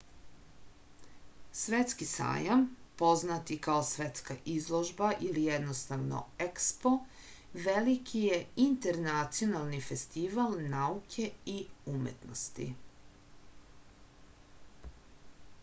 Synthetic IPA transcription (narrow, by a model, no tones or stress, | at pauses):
sʋet̪skisa̰ːjampo̞znat̪ikaosʋe̞t̪skaʔizlˠoʒbaʔilijed̪nost̪aʋno̞̰ekspo̞ | ʋelikʰije̞int̪eɾnat̪sijo̞nalˠnife̞st̪iʋalnaukʰe̞iumḛt̪nost̪ḭ